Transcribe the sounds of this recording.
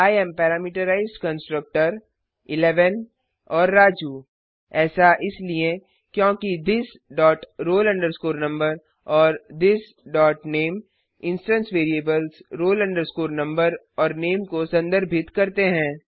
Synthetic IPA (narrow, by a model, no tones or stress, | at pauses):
aːjɛmpɛːɾaːmiːʈəɾaːɪzɖkɐ̃nsʈɾək̚ʈəɾ | ɪlɛːʋən | ɔːɾːaːd͡ʒu | ɛːsaʔɪsliẽ | kjõːkid̪ɪs | ɖɔːʈɾoːlɐ̃ɳɖəɾskoːɾnɐ̃mbəɾ | ɔːɾd̪ɪs | ɖɔːʈneːm | ɪ̃nsʈə̃nsʋeːɾieːbəlzɾoːlɐ̃ɳɖəɾskoːɾnɐ̃mbəɾ | ɔːɾneːmkosɐ̃nd̪əɾbʱɪt̪kɐɾt̪eɦɛ̃ː